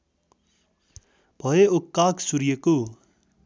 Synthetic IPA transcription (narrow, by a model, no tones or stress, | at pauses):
b̥ʱʌeokːaːksuɾjeko